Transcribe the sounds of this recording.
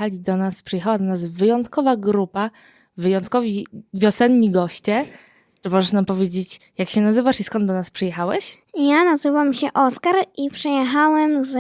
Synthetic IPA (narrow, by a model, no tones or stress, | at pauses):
alʲid̪ɔnaspʂɛjɛxawad̪ɔnazvɘjɔnt̪kɔvaɡɾupa | vɘjɔnt̪̚kɔvʲivʲjɔsɛnɲiɡɔɕt͡ɕɛ | t͡ʂɘmɔʐɛʂnampɔvʲjed͡ʑet͡ɕjakɕɛnazɘvaʂiskɔnd̪d̪ɔnaspʂɛjɛxawɛɕ | janazɘvamɕɛʔɔskaɾipʂɛjɛxawɛmz